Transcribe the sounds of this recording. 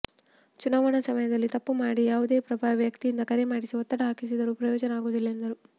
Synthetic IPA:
t͡ʃunaːʋɐɳɐsɐmɐjɐd̪ɐlːit̪ɐpːumaːɽijaːʋud̪e̞ːpɾɐbʱaːʋɐʋjɐkt̪ijind̪ɐkɐɾemaːɽisiɔt̪ːɐɽɐɦaːkis̬id̪ɐɾupɾɐjɔːd͡ʒɐnɐaːɡuːd̪ilːɐend̪ɐɾu

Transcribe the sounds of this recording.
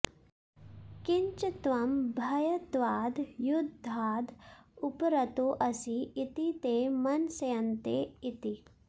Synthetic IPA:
kiɲt͡ʃɐt̪ʋɐmbʱɐjɐt̪ʋaːd̪ʱjud̪ʱːaːd̪ʱupɾɐt̪oːʔɐsiːt̪it̪eːmɐnsɐjɐnt̪eːit̪i

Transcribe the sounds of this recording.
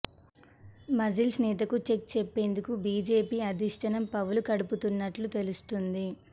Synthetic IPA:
mɐzilsnɛːt̪ɐkut͡ʃe̞k̚t͡ʃepːe̞ːnd̪ukubiːd͡ʒe̞ːpiːɐd̪iʂʈ̪ɐnɐmpɐʋulukɐɽuput̪unːɐʈlut̪e̞lust̪und̪i

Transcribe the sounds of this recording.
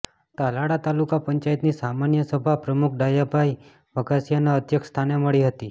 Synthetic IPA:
t̪alaɽat̪alukapəɲt͡ʃajt̪nisamanjəsəbʱapɾəmukʰɖajapaj | ʋəɡasjanaət̪jəkst̪ʰaneməɭiɦət̪i

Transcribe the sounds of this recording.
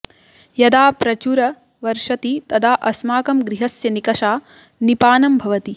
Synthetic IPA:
jɐd̪aːpɾɐt͡ʃuɾɐ | ʋɐɾʂɐt̪it̪ɐd̪ʰaːʔɐsmaːkɐmɡɾiɦɐsjɐnikɐʃaː | nipaːnɐmbʱɐʋɐt̪i

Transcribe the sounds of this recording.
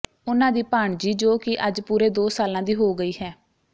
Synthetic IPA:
ʊnãːd̪iːpaːɳd͡ʒiːd͡ʒoːkɪʔəd͡ʒpuːɾeːd̪oːsaːlãːd̪iːɦoːɡəiːɦɛː

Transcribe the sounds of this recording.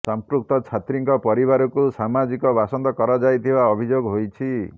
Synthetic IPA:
sampɾuk̚t̪ɔt͡ʃʰat̪ɾiŋkɔpɔɾiβaɾɔkusamad͡ʒikɔbasɔnd̪ɔkɔɾad͡ʒajt̪ʰibaɔbʱid͡ʒoɡɦojt͡ʃʰi

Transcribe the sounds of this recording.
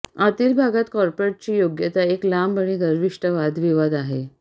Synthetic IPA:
at̪iːlbʱaɡat̪kɔɾpɾeʈ̚t͡ɕiːjoɡjət̪aeklambəɽ̃iɡ̪əɾʋiʂʈəʋad̪ʋiʋad̪aɦe

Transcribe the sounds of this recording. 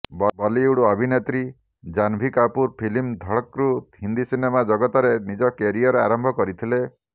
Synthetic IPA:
bbɔliuɽuɔbʱinet̪ɾi | d͡ʒanbʱikapuɾpʰilimd̪ʱɔɭɔkɾut̪ɦind̪isinemad͡ʒɔɡɔt̪ɔɾenid͡ʒɔkeɾiɔɾeaɾɔmbʱɔkɔɾit̪ʰile

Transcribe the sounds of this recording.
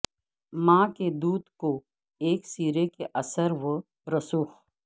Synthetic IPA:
mãːked̪uːd̪ko | eːksiːɾekeʔɐsəɾʋə | ɾɐsuːx

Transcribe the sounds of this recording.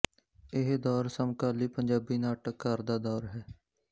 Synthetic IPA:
ɪɦd̪ɔːɾsəmkaːliːpəɲd͡ʒaːbiːnaːʈəkːəɾd̪aːd̪ɔːɾɦɛː

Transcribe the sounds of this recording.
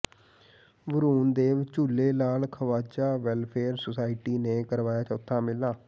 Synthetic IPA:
ʋəɾuːnd̪eːʋt͡ʃʊlːeːlaːlkʰəʋaːt͡ʃaːʋɛlpʰeːɾsosaːɪʈiːneːkəɾʋaːjaːt͡ʃəʊt̪ʰːãːmɪlːaː

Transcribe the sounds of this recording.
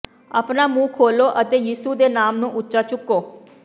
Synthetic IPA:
aːpnaːmũːkʰoːloːʔət̪eːjiːsuːd̪eːnaːmnũːʔʊtːʃaːt͡ʃʊkːoː

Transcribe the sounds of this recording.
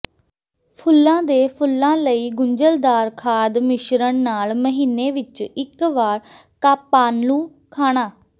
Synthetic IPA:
pʰʊlːãːd̪eːpʰʊlːãːləiːɡʊɲd͡ʒəld̪aːɾkʰaːd̪mɪʃɾəɳnaːlməɦiːnːeːʋɪt͡ʃɪkʋaːɾ | kaːpːaːnlũː | kʰaːɽ̃aː

